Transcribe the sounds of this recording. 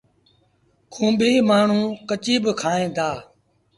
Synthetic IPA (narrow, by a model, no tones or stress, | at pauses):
kʰũːbʱiːmaːɳ̤ũːkət͡ʃiːbkʰaːẽːd̪aː